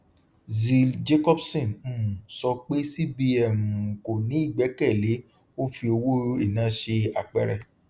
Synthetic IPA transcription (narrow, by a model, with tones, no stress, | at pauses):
zi˨ld͡ʒe˦kɔ˦bsɛ̃˦˨n̩˨sɔ˧k͡pe˦si˦bi˧ɛ˦˨mũ˨ko˨nĩ˨˦i˦˨ɡ͡bɛ˨˦kɛ˦˨le˨˦ | o˦fi˧o˧wo˦i˦˨nã˨˦ʃe˧a˧k͡pɛ̰˦˨ɾɛ̰˦˨